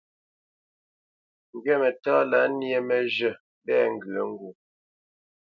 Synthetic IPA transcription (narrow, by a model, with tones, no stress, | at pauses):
ŋ̩˨ɡɛ˦mɛ˨tɔ˦la˨˦nje˦mɛ˨d͡ʒə˨ | bɛ˦˨ŋ̩˨ɡɰə˨˦ŋ˦ɡu˨